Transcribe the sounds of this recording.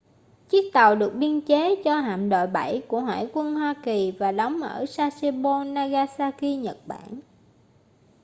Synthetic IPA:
t͡ɕi˦˥ək̚t̪a˨˩wɗɨ˨˩ək̚ɓi˧ənt͡ɕe˨˦t͡ɕɔ˧ɦa̰ː˧˨mɗo̰˧˨jɓa˧˩jku˧˩əɦwa̰ː˧˩jkwə˧nɦwaː˧ki˨˩vaː˨˩ɗɔ˨˦wŋ͡mʔəː˧˩saː˧se˧ɓo˧naː˧ɣaː˧saː˧ki˧ɲə˨˩t̚ɓa̰ː˧˩˨n

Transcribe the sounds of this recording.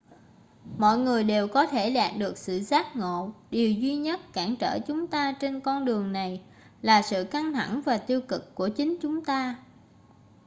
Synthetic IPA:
mɔ̰˧˨jŋɨ˨˩əjɗe˨˩wkɔ˨˦t̪ʰe˧˩ɗaː˨˩p̚ɗɨ˨˩ək̚sɨ̰˧˨zaː˦˥t̚ŋo̰˧˨ɗi˨˩əwzwi˧ɲə˦˥t̚kaː˧˩ŋt͡ɕə̰ː˧˩t͡ɕʊ˨˦ŋ͡mt̪aː˧t͡ɕe˧nkɔ˧nɗɨ˨˩əŋna˨˩j | laː˨˩sɨ̰˧˨ka˧ŋt̪ʰa˧˩ŋvaː˨˩t̪i˧əwkɨ˨˩kːu˧˩ət͡ɕï˨˦ŋ̟t͡ɕʊ˨˦ŋ͡mt̪aː˧

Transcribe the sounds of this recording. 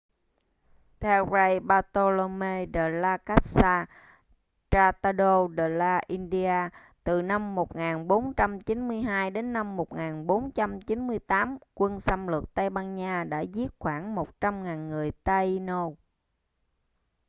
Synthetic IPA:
t̪ʰɛ˧wra˧jɓaː˧t̪o˧lo˧me˧ɗə˨˩laː˧ka˦˥t̚saː˧ | t͡ɕaː˧t̪a˧ɗo˧ɗə˨˩laː˧ʔi˧nɗi˧aː˧ | t̪ɨ˨˩na˧mːo˨˩t̚ŋaː˨˩nɓo˨˦nt͡ɕa˧mt͡ɕi˨˦nmɨ˧əjɦaː˧jɗe˨˦nːa˧mːo˨˩t̚ŋaː˨˩nɓo˨˦nt͡ɕa˧mt͡ɕi˨˦nmɨ˧əjt̪aː˨˦mkwə˧nsa˧mlə˨˩k̚t̪a˧jɓaː˧nɲaː˧ɗa̰ː˧˥zi˦˥ət̚xwaː˧˩ŋmo˨˩t̚t͡ɕa˧mŋaː˨˩nŋɨ˨˩əjt̪a˧jno˧

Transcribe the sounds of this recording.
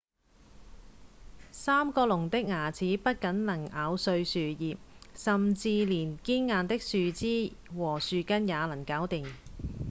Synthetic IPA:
saː˥mkɔː˧lʊ˨˩ŋt̪ɪ˥k̚ŋaː˨˩t͡sʰiː˨˥pɐ˥t̚kɐ˨˥nlɐ˨˩ŋaː˨˧wsɵ˧ɥsyː˨jiː˨p̚sɐ˨mt͡siː˧liː˨˩nkiː˥nŋaː˨˧nt̪ɪ˥k̚syː˨˧t͡siː˥wɔː˨˩syː˨kɐ˥njaː˨˧lɐ˨˩ŋkaː˨˥wt̪i˨ŋ

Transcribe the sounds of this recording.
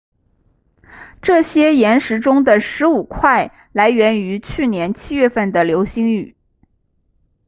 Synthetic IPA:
ʈ͡ʂɤ˥˩ɕjɛ˥jɛ˧˥nʂɻ̩˧˥ʈ͡ʂʊ˥ŋd̪ə˨ʂɻ̩˧˥u˨˩kʰwa˥˩ɪ | la˧˥ɪɥɛ˧˥ny˧˥t͡ɕʰy˥˩njɛ˧˥nt͡ɕʰi˥ɥɛ˥˧fə˥˩nd̪ə˩ljo˧˥ʊɕi˧˥ŋy˨˩˦

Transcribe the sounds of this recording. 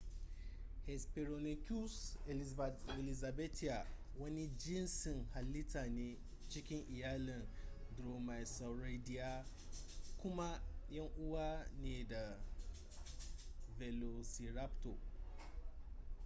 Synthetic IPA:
he˨spe˨ɾo˨ni˨kʲu˦s | e˨li˨za˨be˦ti˨a˨ | wo˦ni˦d͡ʒi˦nsi˨nha˨lːi˦ta˨ne˨ | t͡ʃi˦kʲi˦nʔi˨ja˦li˨ndɾo˨ma˨jsa˨wɾe˦di˨ja˦ | kʊ˦ma˦jɐ˦ŋʔu˦wa˦ne˨da˨ | ve˨lo˨si˨ɾa˦pto˨

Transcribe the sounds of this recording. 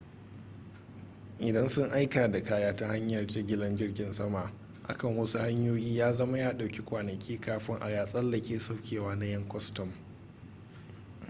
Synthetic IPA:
ʔɪ˨dɐ˦nsʊ˦ŋʔa˦jkaː˨da˨kaː˦jaː˦ta˦ha˦ɲjɐ˨rta˦ɡʲɪ˦lɐ˦nd͡ʒɪ˦rɡʲɪ˨nsɐ˦ma˨ʔ | ʔa̰˨kɐ˦˨ŋwɐ˦su˦ha˦ɲjoː˦jiː˦jaː˦zɐ˦ma˦jaː˦ɗa˨wkʲi˦kʷaː˨nɐ˨kʲʰiː˦kaː˦ɸɪ˦ŋʔa̰˨jaː˦sʼɐ˦lːɐ˨kʲeː˨sa˦wkʲeː˨waː˦na˦jɐ˦ŋkʷɔ˦stɔ˨m

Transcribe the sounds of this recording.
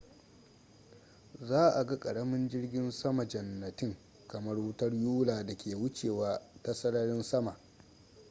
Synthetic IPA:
zaː˦ʔa˨ɡa˦kʼɐ˨ɽɐ˦mɪ˦nd͡ʒɪ˦rɡʲɪ˦nsɐ˦ma˨d͡ʒɐ˨nːɐ˨tɪ˦ŋ | kɐ˨mɐ˦rwʊ˦tɐ˦rjuː˦laː˨da˨kʲeː˨wʊ˦t͡ʃeː˨waː˦ta˦sɐ˦ɽɐ˦ɽɪ˦nsɐ˦ma˨ʔ

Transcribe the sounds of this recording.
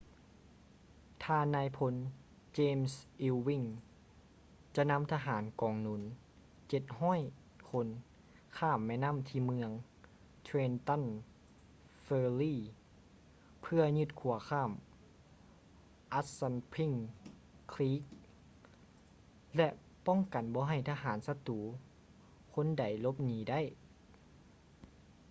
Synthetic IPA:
t̪ʰaː˧nːaː˧˥jpʰo˧n | t͡ɕeː˧msʔi˧wwi˧˥˩ŋ | t͡ɕa˧na˧˥˨mt̪ʰaː˧ɦaː˩˦nkɔː˨˩ŋnu˧˩˦n | t͡ɕe˨˩t̪̚ɦɔː˥˨j | kʰo˧n | kʰaː˧˥˩mːɛː˧˨na˧˥˨mt̪ʰiː˧mɯ˧əŋ | t̪ʰweː˧nt̪a˧˥˨n | feː˧liː˧˥˩ | pʰɯ˧ɐɲɯ˧t̪̚kʰu˨˩˦ɐkʰaː˧˥˩m | ʔa˧˥t̪̚sa˧npʰi˧˩ŋ | kʰliː˦˥k̚ | lɛ˧ʔ | pɔ˥˩˨ŋka˨nbɔː˧˦ɦa˧˩jt̪ʰaː˧ɦaː˩˦nsa˧t̪uː˨˦ | kʰo˧˥˨nda˨˩jlo˧˦p̚niː˨˦da˥˨j

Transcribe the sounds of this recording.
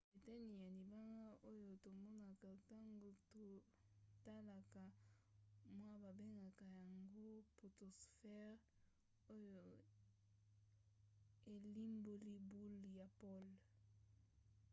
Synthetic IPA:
e˨tɛ˦ni˨ja˨li˨ba˦ŋɡa˦ʔo˦jo˨to˨mɔ˦na˨ka˨ta˦ŋɡo˨to˨ | ta˦la˨ka˨ | mwa˦ba˨be˦ŋɡa˨ka˨ja˨ŋɡo˦po˨to˨sfɛ˦ʁ | o˦jo˨ | e˨li˦mbo˦li˦bu˦lja˨po˦˨l

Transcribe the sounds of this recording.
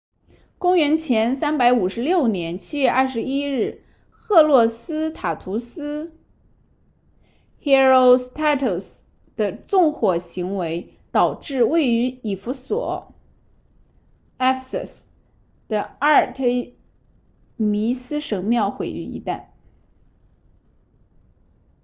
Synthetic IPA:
kʊ˥ŋɥɛ˧˥nt͡ɕʰjɛ˧˥nsa˥npa˧˥ɪu˨˩ʂɻ̩˧˥ljo˥˩ʊnjɛ˧˥nt͡ɕʰi˥ɥɛ˥˧ʔɐ˥˩ʂɻ̩˧˥i˥ɻ̩˥˩ | xɤ˥˧lwɔ˥˩sɹ̩˥t̪ʰa˨˩t̪ʰu˧˥sɹ̩˥ | xɛ˥ɻo˥˧ʊst̪ʰa˥t̪ʰo˥˩s | d̪̥ə˨t͡sʊ˥˧ŋxwɔ˨˩ɕi˧˥ŋwe˧˥ɪ | t̪ɑ˨˩ʊʈ͡ʂɻ̩˥˧we˥˩ɪy˧˥i˨˩fu˧˥swɔ̰˨˩˦ | ɛ˥fsə̰˨˩s | d̪̥ə˨a˥˩t̪ʰe˥ɪ | mi˧˥sɹ̩˥ʂɤ˧˥ŋmjɑ˥˩ʊxwe˨˩ɪy̰˥˧ḭ˧˥t̪a̰˥˩n

